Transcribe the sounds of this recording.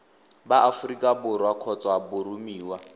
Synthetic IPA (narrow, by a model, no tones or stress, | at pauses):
baʔafurikʼabʊɾwakʰɔt͡sʼɔabʊɾumiːwa